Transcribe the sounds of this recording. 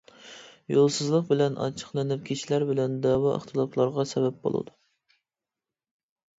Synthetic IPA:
jolˠsɨzlˠəq̚bɪlɛnʔɑ̰t͡ʃʰə̥χlˠɨnɨp̚kʲʰit͡ʃʰilæɾbɪlɛnd̪ɑwɑə̰χt̪ʰɨlˠɑplˠɑɾʁɑsɛbɛp̚bo̰lˠɨ̰d̪u

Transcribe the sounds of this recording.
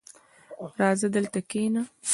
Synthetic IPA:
ɾɑːzəd̪əlt̪akeːna

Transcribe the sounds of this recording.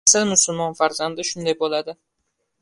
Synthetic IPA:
salmʊsʊlˠmɒnfaɾzand̪ɪʃʊnd̪ajbolˠad̪ɪ

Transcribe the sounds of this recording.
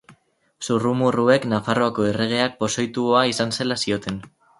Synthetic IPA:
surumurue̞knafaro̞ako̞ere̞ɣ̞e̞ak̚po̞sojt̪uoaisanse̞lasio̞t̪e̞n

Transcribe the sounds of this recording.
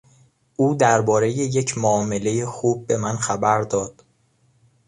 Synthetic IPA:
ʔuːd̪æɾbɒːɾe̞jeje̞cʰmoːme̞le̞jexuːb̚ːe̞mænxæbæɾd̪ɒːd̪̥

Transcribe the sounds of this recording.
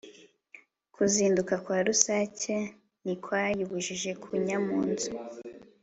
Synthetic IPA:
kʰuziːndukakwaːɾusaːce | nikwaːjuβuʒiʒe̞kʰuɲamuːnzu

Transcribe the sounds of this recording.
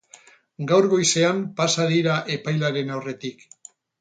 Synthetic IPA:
ɡawɾɣo̞jse̞ampasaðiɾaʔe̞pajlaɾe̞nawre̞t̪ik

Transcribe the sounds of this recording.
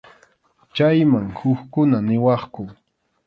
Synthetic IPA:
t͡ʃajmaŋhʊkkʊnanɪwɑχkʊ

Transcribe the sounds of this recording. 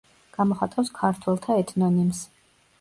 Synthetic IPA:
ɡ̥amɔχat̪ʼawskʰaɾt̪ʰwɛlˠt̪ʰaɛt̪ʰnɔnims

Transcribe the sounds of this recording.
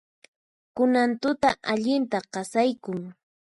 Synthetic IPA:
kʊnant̪ʊt̪aʔaʎɪnt̪aqɑsajkʊŋ

